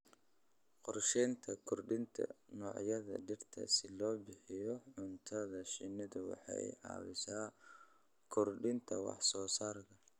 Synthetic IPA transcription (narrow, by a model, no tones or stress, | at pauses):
qɔrʃɛːnt̪ʰɐkʰʊrɖɪnt̪ʰɐ̰nɔːʕjɐðɐ̰ɖɪrt̪ʰɐ̰sɪlɔːbɪħɪjɔʕʊnt̪ʰɐðɐʃɪnɪðʊwɑ̰ħɑ̰jʕɑ̰ːwɪsaː | kʰʊrɖɪnt̪ʰɐ̰wɑ̰ħsɔːsaːrkʰɐ